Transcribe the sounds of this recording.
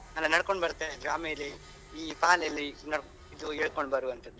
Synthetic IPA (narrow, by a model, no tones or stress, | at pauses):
ɐlːɐnɐɽkoɳbɐɾt̪ːeɡɾaːmijɐlːiː | paːlɐlːinɐɽ | id̪ueːɭkoɳbɐɾuɐnt̪ɐd̪u